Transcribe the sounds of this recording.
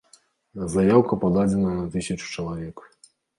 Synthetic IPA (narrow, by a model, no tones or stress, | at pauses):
zajawkɐpad̪ad͡zʲɛnɐnɐt̪ɨsʲɐt͡ʂu̥t͡ʂɐlˠavʲɛk